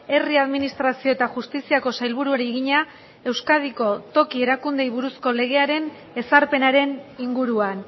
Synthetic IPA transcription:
e̞riaðminist̪ɾasio̞e̞t̪axust̪isiako̞sajlβuɾuoɾiɣiɲa | e̞wskað̞iko̞t̪o̞kie̞ɾakund̪e̞jβuɾusko̞le̞ɣ̞e̞aɾe̞n | e̞saɾpe̞naɾe̞niŋɡuɾuan

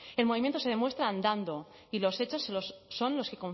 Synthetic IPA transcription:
e̞lmoβimjent̪osee̞mwe̞st̪ɾaːnd̪and̪o̞ | ilo̞se̞t͡ʃo̞sːelosːo̞nlo̞ske̞ko̞ɱ

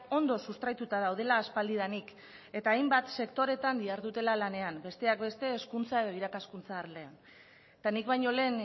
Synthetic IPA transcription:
o̞nd̪o̞sust̪ɾajt̪ut̪aðawð̞e̞laːspald̪iðanik | e̞t̪aːjmbat̪se̞kt̪o̞ɾe̞t̪and̪iaɾðut̪e̞lalane̞ambe̞st̪e̞akbe̞st̪e̞ːskunt͡sae̞ð̞o̞iɾakaskunt͡saːɾle̞an | t̪anikβajɲo̞le̞ːn

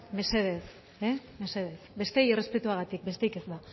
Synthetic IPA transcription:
me̞se̞ð̞es | eme̞se̞ðe̞sbe̞st̪ejire̞spe̞t̪uaɣ̞at̪ik̚be̞st̪e̞jke̞zða

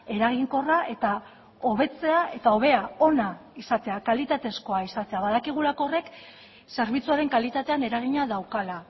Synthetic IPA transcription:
e̞ɾaɣ̞iŋko̞raʔe̞t̪a | o̞β̞e̞t͡se̞aʔe̞t̪ao̞β̞e̞ao̞naisat̪e̞akalit̪at̪e̞sko̞aisat̪e̞aβaðakiɣ̞ulako̞ːre̞k | se̞ɾβit͡suaɾe̞ŋkalit̪at̪e̞ane̞ɾaɣ̞iɲaðawkala

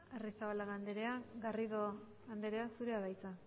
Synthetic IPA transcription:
erisaβalaɣand̪eɾeaɡariðo | ɣand̪e̞ɾe̞asuɾeaβajt͡sa

